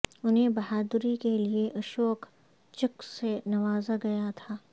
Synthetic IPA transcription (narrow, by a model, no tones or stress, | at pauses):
ʊnɦẽbɐɦaːd̪ɾikelieʔɐʃoːk | t͡ʃɐksenɐʋaːzaɡɐjat̪ʰaː